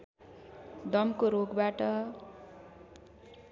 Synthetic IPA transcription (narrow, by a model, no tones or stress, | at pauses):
d̪ʌmkoɾoɡbaʈʌ